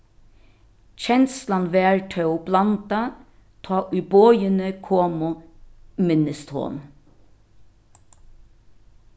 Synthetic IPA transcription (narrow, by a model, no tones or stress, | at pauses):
c͡çɛnslɑnʋæːɹʈʰœʊblɑnd̪ɑ | t̪ʰɑːʔʉboʏənəkʰoːmʊ | mɪnəst̪ho̰ːn